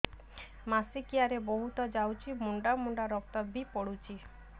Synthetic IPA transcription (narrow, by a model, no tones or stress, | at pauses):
masikiaɾeboɦut̪ɔd͡ʒawt͡ʃʰimuɳɖamuɳɖaɾɔk̚t̪ɔbipɔɽut͡ʃʰi